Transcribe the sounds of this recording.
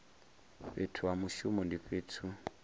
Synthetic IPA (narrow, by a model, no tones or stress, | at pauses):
ɸetʰuamuʃumɔndiɸetʰu